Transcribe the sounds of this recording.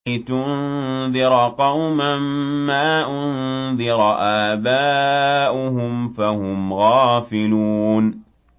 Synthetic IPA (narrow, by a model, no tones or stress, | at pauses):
t̪ʊnn | ðɪɾɑqɑwmamːaːʔʊnðɪɾˤɑʔaːbaːʔʊɦʊmfahʊmɣɑːfɪluːn